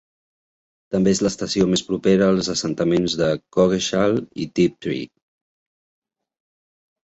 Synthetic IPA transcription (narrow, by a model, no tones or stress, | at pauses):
t̪əmbeezləst̪əsiomespɾupeɾəːlˠzəsənt̪əmenzðəkɔɣeʃalḭt̪ip̚t̪ɾḭ